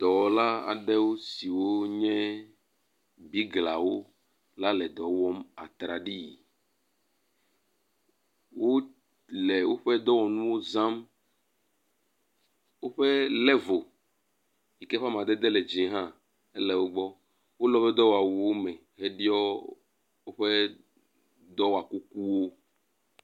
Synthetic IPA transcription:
d̪̥ɔ˨wla˦a̰˨ɖɛ˦wo˦si˨wo˦ɲɛ̃˦ | bi˦ɡla˨wo˦ | la˦lɛ˨d̪ɔ˨˦wɔ˦ma̰˨t̪ɾa˨ɖi˦˨ | wo˦ | lɛ˨wo˦ɸɛ˦d̪ɔ˦wɔ˨nũ˦wo˦zã˦m | wo˦ɸe˦lɛ˦vo˨ | ji˨kɛ˦ɸa˦m˨ã˨d̪e˦d̪ɛ˦le˨d͡ʒĩ˨˦ɦã˦ | e˦lɛ˨wo˦ɡ͡bɔ˦ | wo˦lɔ˦ɸɛ˦d̪ɔ˦wa˨wu˨wo˦mɛ˨ | ɦe˦ɖi˦ɔ˦ | wo˦ɸe˦ | d̪ɔ˦wa˨ku˦ku˦wo˦

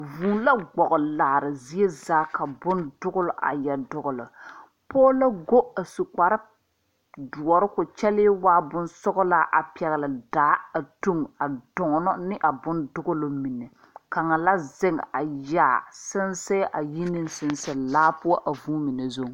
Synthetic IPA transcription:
vuː˨˦la˦ɡ͡bɔ˨ɣʊ˨laː˨ɾɪ˨zi˦e˦zaː˦ka˨bʊ˦ndʊ˦ɣʊ˦lʊ˨ʔa̰˨jɛ˨dʊ˨ɣʊ˨lʊ˨ | pɔː˦la˦ɡo˦a˨su˨k͡pa˨ɾɪ˦ | du˨ɔ˨ɾɪ˦kʊ˨t͡ʃɛ˦lɪː˦waː˦bʊ˦nsʊ˦ɣʊ˦la˦ʔa̰˨pɛ˨ɣɪ˨lɪ˨daː˨˦a˨tu˦ŋa˨dʊ˨ŋ˨nɔ˦nɪ˦ʔa˨bʊ˦ndʊ˦ɣʊ˦lʊ˨˦mi˨nɪ˨ | ka˨ŋa˨la˦zɪ˦ŋ˨a˨jaː˦˨sɪ˦nsɛ˦ʔa˨ji˦nɪ˦nsɪ˨nsɛ˨laː˦pʊ˦ɔ˦ʔa˨vuː˦mi˨nɛ˨zo˦

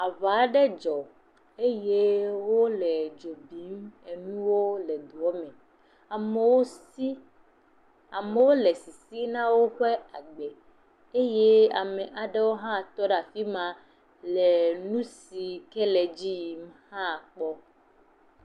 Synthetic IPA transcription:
a˨va˨˦ɖɛ˦d͡ʒɔ˨ | e˦je˦wo˦lɛ˨d͡ʒo˨bi˨˦me˨nũ˦wo˦lɛ˨d̪u˨ɔ˦mɛ̃˨ | a˨me˨wo˦si˦ | a˨me˨wo˦lɛ˨si˨si˦nã˦wo˦ɸe˦a˨ɡ͡be˨ | e˦je˦a̰˨mɛ˨ʔa˨ɖɛ˦wo˦ɦã˦˨t̪ɔ˦ɖa˨fi˦mã˦ | lɛ˨nũ˦si˨kɛ˦lɛ˨d͡ʑi˦ji˨mhã˦˨k͡pɔ˦

